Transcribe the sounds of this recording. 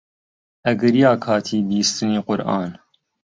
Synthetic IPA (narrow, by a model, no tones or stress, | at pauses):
ʔɐɡɐɾijaːkʰaːt̪ʰiːbiːst̪ɨniːqʊɾʔɑ̰ːn